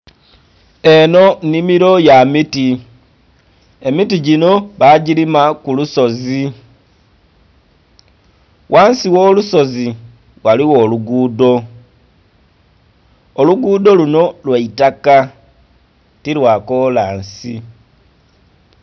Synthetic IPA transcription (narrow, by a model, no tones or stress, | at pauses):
e̞no̞nimiɾo̞jamiti | e̞mitiɟino̞βaɟiɾimakuluso̞zi | wʔaːnsiwo̞ːluso̞zi | waliwo̞ːluɡuːdo̞ | luɡuːdo̞luno̞lwaitaka | tilwako̞laːnsi